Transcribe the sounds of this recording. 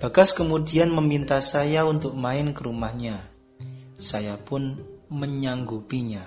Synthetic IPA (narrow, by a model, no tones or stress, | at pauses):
b̥a̤ɡaskəmudianməmint̪asajaunt̪ʊk̚maɪnkəɾumahɲa | sajapʊnməɲaŋɡupiɲa